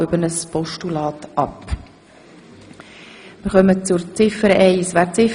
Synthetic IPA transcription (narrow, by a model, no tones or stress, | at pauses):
øbənəspɔʃtulɑːtʔɑp | mɪɾχœmət͡sʊɾt͡sɪfəɾɛɪəsʋæːɾt͡sɪf